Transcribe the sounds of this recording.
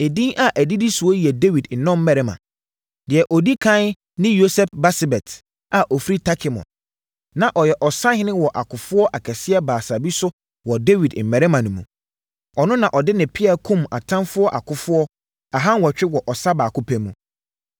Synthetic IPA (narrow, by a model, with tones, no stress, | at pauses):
e˨dĩ˦nʔa˨ʔæ˨di˦di˦su˨ɔ˦ji˨ɛ˨de˦wi˨dn̩˨nɔ̃˦m̩˦mɛ˨ɾɛ˦mã̰˨ | dɪ˨ɛ˨ʔɔ˨di˦kʰã˦n | nɪ̃˦jo˦sɛ˦pba˦sbɛ˨tʰ | a˨ʔɔ˨fɾi˦tʰa˦kʰɪ˨mɔ̰̃˨n | nã˨ʔɔ˨jɛ˨ʔɔ˨sã˦hɪ˦nɪ̃˦wɔ˨ʔa˨kʰʊ˨fʊ˦ɔ˦ʔa˨kʰɛ˨sɪ˦ɛ˦baː˨sa˨bi˦sʊ˦ | wɔ˨de˦wi˨dm̩˨mɛ˨ɾɛ˦mã˨nʊ̃˨mũ˨ | ɔ˨nʊ̃˦nã˨ʔɔ˨dɪ˦nɪ̃˨pʰɪ˦a˨kʰũ˦ma̰˨tʰã˦nfʊ˦ɔ˦ʔa̰˨kʰʊ˦fʊ˦ɔ˦ | a˨ɦã˦nwɔ˨t͡ɕᶣɪ˦wɔ˨ʔɔ˨sa˦baː˨kʰʊ˦pʰæ˦mũ˨